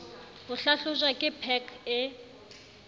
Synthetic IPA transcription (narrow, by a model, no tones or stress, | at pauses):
hʊɬaɬʊʒwakʼɪpʰɛkʰɪ